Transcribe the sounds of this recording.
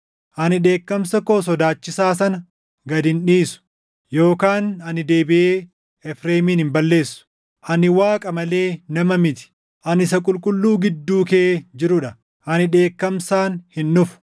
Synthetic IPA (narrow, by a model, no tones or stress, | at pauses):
ʔɐnɪᶑe̞ːkːɐmsɐkoːsɔd̪aːt͡ʃːɪsaːsɐnɐ | ɡɐd̪ɪnᶑiːsʊ̥ | jo̞ːkaːnɐnɪd̪e̞ːbɪʔeː | ɛfɾeːmiːnɪmbɐlːe̞ːsːʊ̥ | ʔɐnɪwaːkʼɐmɐle̞ːnɐmɐmɪt̪ɪ̥ | ʔɐnɪsɐkʼʊlkʼʊlːuːɡɪd̪ːuːkeːd͡ʒɪɾʊᶑɐ | ʔɐnɪᶑe̞ːkːɐmsaːnhɪnːʊfʊ̥